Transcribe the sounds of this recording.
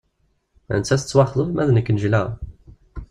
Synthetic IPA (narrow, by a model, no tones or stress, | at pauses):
ə̰nt͡sːæsət͡sːwɑχðˤəvmæðnəkːnəʒlæʁ